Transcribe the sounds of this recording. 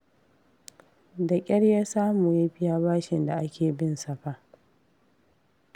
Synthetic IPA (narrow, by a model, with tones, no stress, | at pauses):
dɐ˨kʲʼɐ˦ɽjaː˦saː˦muː˨ja˦ɸɪ˦jaː˦baː˦ʃɪ˨nda˨ʔa˦kʲʰeː˨bɪ˦nsɐ˨ɸa˦ʔ